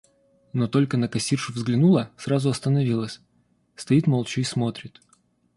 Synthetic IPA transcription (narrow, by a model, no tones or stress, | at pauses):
no̞t̪o̞lʲkənəkɐsʲirʂʊvzɡlʲɪnulˠəsɾazʊɐst̪ənɐvʲilˠəsʲ | st̪ɐit̪mɐlˠt͡ɕʊismo̞t̪ɾʲɪt̪